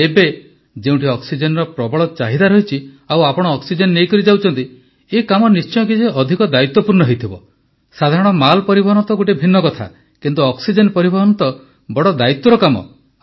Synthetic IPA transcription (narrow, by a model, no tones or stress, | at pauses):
ebe | d͡ʒeũʈiɔksid͡ʒenɾɔpɾɔbɔɭɔt͡ʃaɦid̪aɾɔɦit͡ʃʰi | awapɔɽ̃ɔːksid͡ʒenːejkɔɾid͡ʒawt͡ʃʰɔnt̪i | ekamɔnist͡ʃɔɔ̃k̬id͡ʒeʔɔd̪ʱikɔd̪ait̪ːɔpuɾɳɔɦejt̪ʰibɔ̰ | sad̪ʱaɾɔɽ̃ɔmalpɔɾibɔɦɔnɔt̪ɔɡoʈibʱinːɔkɔt̪ʰa̰ | kint̪uɔksid͡ʒenpɔɾibɔɦɔnɔt̪ɔ | bɔɽɔd̪ait̪ːɔɾɔkamɔ̰